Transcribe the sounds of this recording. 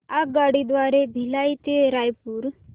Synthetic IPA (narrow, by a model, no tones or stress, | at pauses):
aɡaɽid̪ʋaɾebʱilajt̪eɾajpuɾ